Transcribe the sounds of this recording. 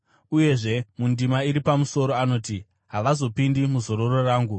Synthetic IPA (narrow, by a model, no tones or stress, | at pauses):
uje̞ʐe̞mundimaiɾipamuso̞ɾo̞ano̞ːti | ɦaʋazo̞pindimuzo̞ɾo̞ro̞raːŋɡu